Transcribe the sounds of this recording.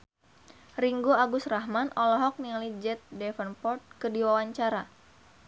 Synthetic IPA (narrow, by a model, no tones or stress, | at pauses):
riŋɡoaɡʊsraɦmanʔɔlɔɦɔk̚niŋalid͡ʒɛt̪̚dɛfənpɔrt̪̚kɨdiwawaɲt͡ʃaɾa